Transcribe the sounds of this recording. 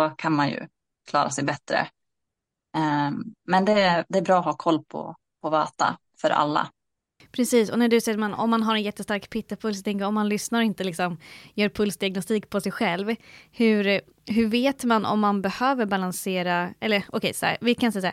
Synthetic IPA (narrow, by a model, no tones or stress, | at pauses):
ɔkʰanmanjɵ̰ | kʰlɑ̰ːɾasɛjbɛt̪ɾə̰ | ɛmɛnd̪ɛd̪ɛːɾbɾɑːɦɑːkʰɔlːpʰɔ̰ | pʰɔvɑːt̪a̰ | fœɾʔa̰lːa̰ | pʰɾɛsiːsɔnæɖɵsɛjːəɾmanɔ̰mːanɦaɾɛnjɛt̪ːəst̪aɾkpʰɪt̪ːapʰɵls̬ɔt̪ʰɛŋkəɾɔmːanlʏsnaɾɔɪnt̪əlɪksɔmjœːɾpʰɵlsd̪ɪaɡ̚nɔst̪iːkpʰɔsɛjɧɛlvhɵɾ | ɦɵveːt̪manɔ̰mːanbɛhøːvəɾbalanseːɾaʔɛlːəɾʔɔkʰɛjsɔhæ̰ɾvɪkʰansɛjsa̰